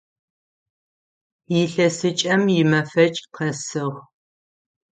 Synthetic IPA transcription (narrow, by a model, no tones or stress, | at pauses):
jɪɬɐsɨt͡ʃʼɐmjɪmɐfɐt͡ʃʼqʰɐsɨʁ